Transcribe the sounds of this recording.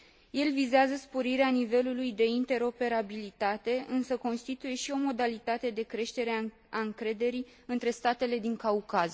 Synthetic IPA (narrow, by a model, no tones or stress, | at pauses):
je̞lvizeazəspo̞ɾiɾeanive̞lulujd̪e̞int̪e̞ɾo̞pe̞ɾabilit̪at̪e̞ɨnsəko̞nst̪it̪uje̞ʃio̞mo̞d̪alit̪at̪e̞d̪e̞kɾe̞ʃt̪e̞ɾea | aɨŋkɾe̞d̪e̞ɾi | ɨnt̪ɾe̞st̪at̪e̞le̞d̪iŋkaukaz